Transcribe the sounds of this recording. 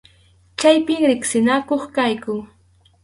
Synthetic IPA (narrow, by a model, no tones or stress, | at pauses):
t͡ʃajpɪŋɾɪksɪnakoχkajkʊŋ